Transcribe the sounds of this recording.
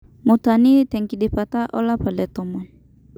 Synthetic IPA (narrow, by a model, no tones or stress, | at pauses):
mut̪anit̪ɛŋkidipat̪aʔɔlapalɛt̪ɔmɔ